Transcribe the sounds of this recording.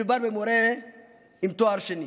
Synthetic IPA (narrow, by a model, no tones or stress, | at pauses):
ibaɾbɛmɔɾɛ | imt̪oaɾʃeni